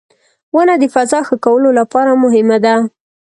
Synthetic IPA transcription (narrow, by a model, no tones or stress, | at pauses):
wənad̪əfazɑxəkawəlolapɑɾamʊɦɪmad̪a